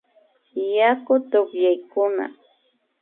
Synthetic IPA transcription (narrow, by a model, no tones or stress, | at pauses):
jakʊt̪ʊkjajkʊna̰